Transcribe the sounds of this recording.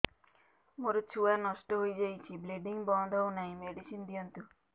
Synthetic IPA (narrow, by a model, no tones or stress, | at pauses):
moɾot͡ʃʰuanɔsʈɔɦojd͡ʒajt͡ʃʰibleɖiŋbɔnd̪ʱɔɦwnaɦĩmeɖisind̪ijɔnt̪u